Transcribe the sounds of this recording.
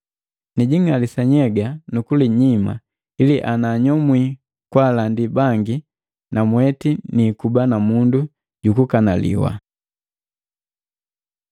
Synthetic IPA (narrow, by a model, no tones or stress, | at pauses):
niɟiŋalisaɲɛɡanukuliɲima̰ | iliʔanaɲɔmwi | kwalandibaŋɡi | namwɛtinikubanamundu | ɟukukanalḭwa̰